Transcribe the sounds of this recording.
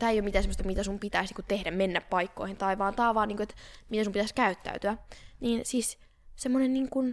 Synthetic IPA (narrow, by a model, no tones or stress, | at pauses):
t̪æːeijomit̪æːsemːst̪ɑmit̪æsumpit̪æisniːkutt̪ehɾæmmenːæppɑikːo̰ihint̪ɑiʋɑːnt̪ɑːʋɑːniːŋkoet̪mit̪æsumpit̪æˑskæyt̪ːæ̰yt̪yæniːnsiːs | semːonenniːŋkun